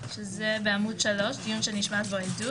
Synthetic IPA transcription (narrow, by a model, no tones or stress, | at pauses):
ʃezebeamudʃalo̞ʃd̪ijunʃeniʃmat̪beojdu